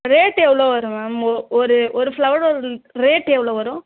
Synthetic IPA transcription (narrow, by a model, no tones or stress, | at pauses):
ɾeːʈɛʋɭoːʋɐɾɯ̃maɔɾɯɔɾɯfɭɐʋɽɔɾɾeːʈɛʋɭoːʋɐɾʊ̃